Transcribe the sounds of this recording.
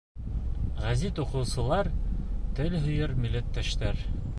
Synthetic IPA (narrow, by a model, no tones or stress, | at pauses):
ʁæzit̪uqɤ̆wsɤ̆lˠɑɾt̪ɘlɦɵ̆jɤɾmɘ̆lːæt̪ːæʃt̪æɾ